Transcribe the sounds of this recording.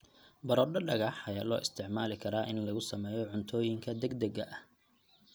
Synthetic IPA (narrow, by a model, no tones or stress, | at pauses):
bɐɾɔːɖɐɖɐɣɐħɐjalɔ̰ːʔɪst̪ʰɪʕmaːlɪkʰɐɾaːʔɪnlɐɣʊsɐmɛːjɔʕʊnt̪ʰɔːjɪŋkʰɐd̪ɛɡd̪ɐɡɐʔɐh